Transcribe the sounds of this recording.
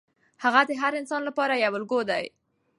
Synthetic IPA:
haɣad̪əɦaɾɪnsɑnlapɑɾajawəlɡod̪a̰j

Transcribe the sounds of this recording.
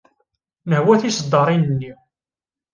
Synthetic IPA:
nəhwæθisd̪ˤːɑɾˤinənːi

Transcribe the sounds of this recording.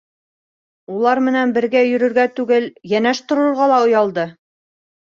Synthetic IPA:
ulˠɑɾmɘ̆nænbɘ̆ɾɡæjɵ̆ɾɵ̆ɾɡæt̪ʉɡɘljænæʃt̪ŏɾŏɾʁɑlˠɑŏjɑlˠd̪ɤ

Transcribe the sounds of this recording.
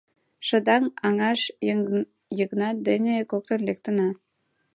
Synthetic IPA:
ʃə̆d̪ɑŋɑŋɑʃ | jəknɑd̪enʲekok̚t̪ə̆nlek̚t̪ə̆nɑ

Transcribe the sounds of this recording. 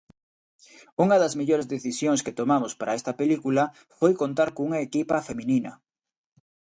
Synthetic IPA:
uŋɐðɐzmeʎoɾezðeθisjoŋsket̪omamʊspaɾɐest̪ɐpelikulɐ | fojkont̪aɾkouŋɐekipɐfemĩninɐ̰

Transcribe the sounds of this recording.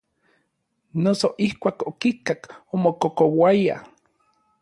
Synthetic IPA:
nosoʔihkʷaːkokikakomokokowaja̰

